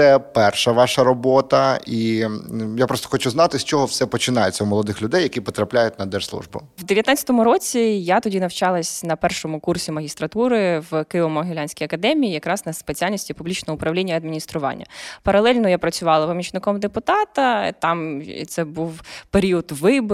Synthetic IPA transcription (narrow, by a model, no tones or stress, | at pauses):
ɛpɛrʃɐʋɑʃɐɾɔbɔt̪ɐi | japɾɔst̪ɔ̥xɔt͡ʃʊznɑt̪ɪsʲt͡ʃɔɦɔwsɛpɔt͡ʃɪnajet͡sʲːɐwmɔlˠɔd̪ɪxlʲʊd̪ɛjːɐkʲipɔt̪ɾɐplʲajʊt̚ʲnɐd̪ɛʒslˠṵʒbʊ̰wd̪eʋjɐt̪nat͡sʲɐ̥t̪ɔmʊɾɔt͡sʲijat̪ɔdʲinɐwt͡ʃɑlˠɐsʲnɐpɛrʃɔmʊkursʲimɐɦʲist̪ɾɐt̪uɾɪʋkɪʋɔmɔɦɪlʲanʲsʲkʲɔjɐkɐd̪ɛmʲijijɐkɾɑznɐspet͡sʲialʲnʲisʲtʲipʊblʲit͡ʃnɔɔʊpɾɐʋlʲinʲːɐɐd̪mʲinʲist̪ɾʊʋɑ̰nʲːɐ̰pɐɾɐlˠɛlʲnɔjapɾɐt͡sʲʊʋɑlˠɐpɔmʲit͡ʃnɪkɔmd̪epʊt̪ɑt̪ɐt̪ɑm̰t̪sɛbuwpeɾʲiɔd̪ʋɪb